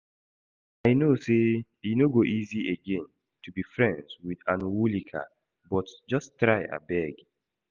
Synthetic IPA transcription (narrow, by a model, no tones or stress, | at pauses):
aɪnose | inoɡoʔizieɡɛ̃n | tubifɹɛ̃ndzwidãnwulikʰa̰ | bɔtd͡ʒɔstɹaɪa̰bɛɡ